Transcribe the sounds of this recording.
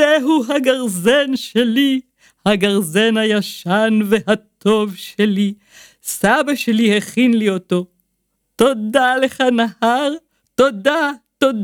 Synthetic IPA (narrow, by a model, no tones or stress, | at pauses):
eɦuɦaɡaʁzenʃeli | haɡaʁzenhajaʃanve̞hat̪ʰo̞vʃeli | sabaʃeliheχinlio̞t̪o̞ | to̞d̪aleχanahaʁ | t̪o̞d̪at̪o̞d